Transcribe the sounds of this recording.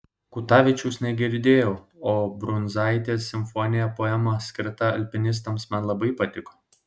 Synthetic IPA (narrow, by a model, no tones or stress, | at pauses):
kʊt̪ɑːʋʲɪt͡ʃʲuːsnʲɛɡʲɪɾʲd̪ʲeːjoʊ | oːbɾʊnzɑˑɪt̪ʲeːsːʲɪmʲfɔnʲɪjɛpoːɛmɐsʲkʲɪɾt̪ɐɐlʲpʲɪnʲɪs̬t̪ɐmsmʲɛnlˠɐbɐɪpɐt̪ʲɪko̥ː